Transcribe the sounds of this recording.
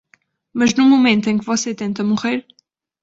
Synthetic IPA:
mɐʒnumomẽnt̪uẽj̃ŋkɨvɔset̪ẽnt̪ɐmuʁeɾ

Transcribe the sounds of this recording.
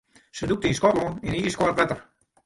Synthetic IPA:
səduk̚tinskɔtluniniːskɔrətʋɛtər

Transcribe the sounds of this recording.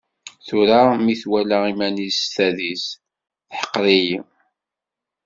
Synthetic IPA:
θuɾamiθwælæimænizst̪æðis | θħə̥qːɾiji

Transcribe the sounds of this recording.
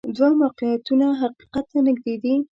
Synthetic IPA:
d̪wamaqijat̪unaɦaqi̥qat̪ːanɪɡd̪ed̪i

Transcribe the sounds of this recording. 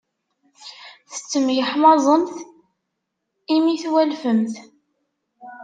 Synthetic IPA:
θə̥t͡sːəmjəħmɑzˤənθ | imiθwælfəmθ

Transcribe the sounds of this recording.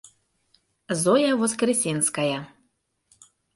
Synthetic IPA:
zojavoskrʲisʲinskaja

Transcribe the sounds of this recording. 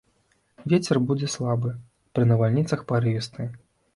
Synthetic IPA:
vʲet͡sʲɛrbud͡zʲɛslˠabɨ | pɾɨnɐvalʲnʲit̪sɐxpaɾɨist̪ɨ

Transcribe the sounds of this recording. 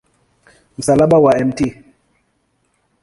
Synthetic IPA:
m̩salaɓawaɛmti

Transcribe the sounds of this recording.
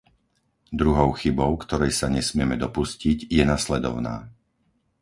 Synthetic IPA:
d̪ɾuɦɔʊxibɔʊkt̪ɔɾɛjsaɲɛsmɪɛmɛd̪ɔpusciɟjɛnaslɛd̪ɔ̰ʊna̰ː

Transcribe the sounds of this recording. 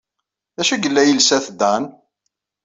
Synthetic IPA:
ðæʃæɡəlːæjəlsæθd̪æn

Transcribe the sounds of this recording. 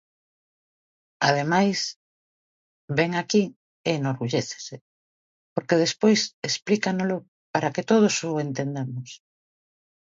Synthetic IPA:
að̞emajs | beŋaki | enoɾɣuʎeθe̥se | poɾkeð̞espojsesplikanolʊ | paɾaket̪oð̞osʊent̪end̪emʊs

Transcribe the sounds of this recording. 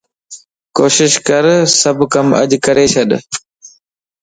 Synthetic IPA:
koːʃɪʃkəɾsəbʱkəmə̰ʄkəɾeːt͡ʃʰəɗ

